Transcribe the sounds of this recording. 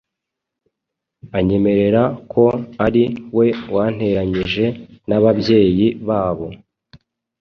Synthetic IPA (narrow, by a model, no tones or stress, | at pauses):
aɲe̞me̞ɾe̞ɾakʰo̞aɾiwe̞wʔaːn̥he̞ɾaɲiʒe̞naβabɟe̞ːjiβaːβo̞